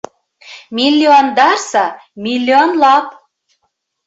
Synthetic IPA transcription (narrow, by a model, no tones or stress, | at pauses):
mʲilʲːiond̪ɑrsɑmʲilʲːionlɑp̚